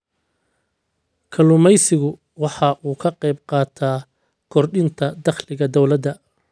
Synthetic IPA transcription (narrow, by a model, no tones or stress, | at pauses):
kʰɐlʊmɛjsɪɣʊ | wɑħɑʔuːkʰɐqɛjbqɑːt̪ʰaː | kʰɔrɖɪnt̪ʰɐd̪ɐχlɪɣɐd̪ɔwlɐd̪ɐ